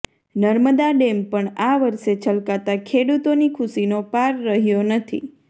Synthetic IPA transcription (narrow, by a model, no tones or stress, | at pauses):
nəɾməd̪aɖempəɳaʋəɾʃet͡ʃʰəlkat̪akʰeɽut̪onikʰʊsinopaɾːəɦjonət̪ʰḭ